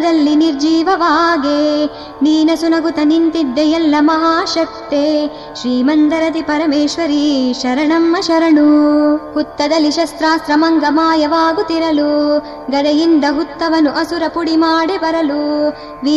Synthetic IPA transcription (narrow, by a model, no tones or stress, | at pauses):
d̪ɐlːiniɾd͡ʒiːʋɐʋaːɡe | niːnɐsunɐɡut̪ɐnint̪iɖ̪ːɛjɐlːɐmɐɦaːʃɐk̚t̪eː | ʃɾiːmɐnd̪ɐɾɐt̪ipɐɾɐmeːʃʋɐɾiʃɐɾɐɳɐmːɐʃɐɾɐɳuhut̪ːɐd̪ɐlːiʃɐst̪ɾaːsɾɐmɐŋɡɐmaːjɐʋaːɡut̪iɾɐlu | ɡɐd̪ɐjind̪ɐɦut̪ːɐʋɐnuʔɐsuɾɐpuɽimaːɽibɐɾɐlu | ʋi